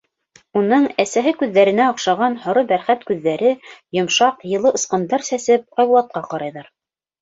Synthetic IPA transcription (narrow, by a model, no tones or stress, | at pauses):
unɤɴæsæɦɘkʉðːæɾɘ̆næoqʃɑʁɑnhŏɾɤbæɾχæt̪kʉðːæɾɘjŏmʃɑqjɤ̆lˠɤʔɤ̆sqɤ̆nd̪ɑɾsæsɘp̚qɑjβŭlˠɑt̪̚qɑqɑɾɑjðɑɾ